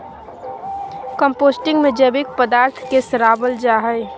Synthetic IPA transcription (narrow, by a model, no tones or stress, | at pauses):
kəmpoːsʈɪ̃ŋɡmẽd͡ʒəbɪk̚pəd̪aːɾt̪ʰkesɾaːbəld͡ʒaːɦəɪ